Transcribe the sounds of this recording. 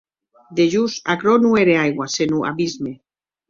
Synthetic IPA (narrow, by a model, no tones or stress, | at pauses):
d̪eʒusakɾonueɾeajɣwasenuʔa̰βizme